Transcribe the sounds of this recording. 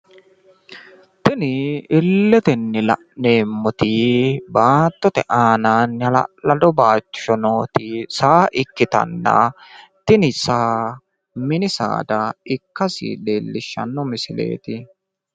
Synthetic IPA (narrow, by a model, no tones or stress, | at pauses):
t̪ɪnɪɪlːɛt̪ɛnːɛlɐ̰ʔne̞ːmːɔt̪ɪbaːt̪ːɔt̪ɛʔaːnɐnːl̰lɐd̪ɔbaːt͡ʃːɔnoːt̪ɪsaːʔɪkːɪt̪ɐ̰nːɐ̰t̪ɪnɪsaː | mɪnɪsa̰ːd̪ɐɪkːɐsɪ̰deːlːɪʃːɐ̰nːɔmɪsɪlḛːt̪ɪ